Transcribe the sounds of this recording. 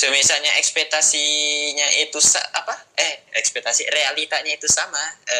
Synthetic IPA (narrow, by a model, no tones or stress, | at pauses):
səmisaɲaʔɛkspɛk̚t̪asiɲaʔit̪usa̰apaɛhɛkspɛk̚t̪asirealit̪aɲait̪usamaə